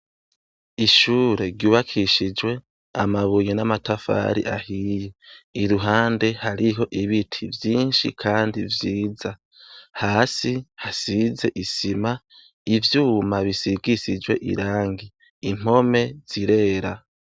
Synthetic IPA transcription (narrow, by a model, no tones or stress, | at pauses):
iʃuːɾe̞ɾɟuːβakʰiʃid͡ʒwe̞ | amaβujenamatafa̰ːɾḭʔahiːjeiɾuɦaːnde̞haɾiɦo̞ʔiβitʰivjiːnʃḭkʰaːndivjiːza | haːsihasize̞ʔisima | ivjuːmaβisiɡisid͡ʒwe̞ʔḭɾaːŋɡiː | m̥o̞me̞z̥iɾe̞ːɾa